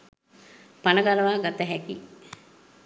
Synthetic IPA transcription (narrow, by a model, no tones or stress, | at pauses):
panəɡaləʋaːɡat̪əɦɛki